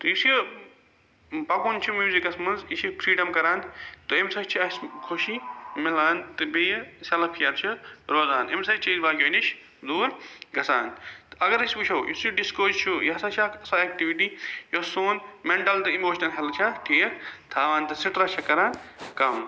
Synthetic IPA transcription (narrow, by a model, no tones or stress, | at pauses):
t̪ojis | pɐkoːnt͡ʃʰumiːziɡɐsmɐnziʃifɾiːɖɐmkɐɾaːnt̪oemsɐt͡ʃʰiɐskʰoʃimɪlaːnt̪ɨbijsʲɐlɐpʰkʰijaːt̪t͡ʃʰiɾoːzaːnemsɐt͡ʃʰizbaːkʲoːniʃ | d̪uːɾɡɐsaːnt̪ɨɐɡɐɾisʲibut͡ʃʰɐːjḭsuɖiskoːzt͡ʃʰujɐɐsat͡ʃʰakɐsaek̚ʈiʋiʈijosoːnmeɳʈɐlt̪ɨimoːʃnɐlɦɐlt͡ʃʰaʈʰiːkt̪ʰaːʋaːnt̪ɨsiʈɾɐt͡ʃʰɐkɐɾaːnkɐm